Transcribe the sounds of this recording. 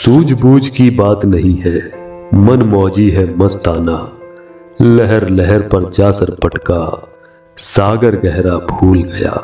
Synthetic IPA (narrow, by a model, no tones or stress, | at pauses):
suːd͡ʒbuːd͡ʒkibaːt̪nɐɦĩɦɛmɐnmɔːd͡ʒiɦɛmɐst̪aːnaː | lɛɦɛɾlɛɦɛɾpɐɾt͡ʃaːsəɾpɐʈka | saːɡəɾɡɛɦɾabʱuːlɡɐja̰ː